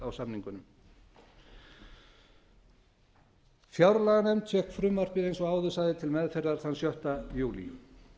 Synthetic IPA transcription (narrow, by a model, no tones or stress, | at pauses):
awsamniŋkʏnʏm | fjawɾlaɣanɛmt̪ʰɛhkfɾʏmːar̥pɪðejnsɔɣaːwðʏsajðɪt̪ʰɪlmɛðfɛɾðaɾ̥θanːsjœht̪ajuːlḭ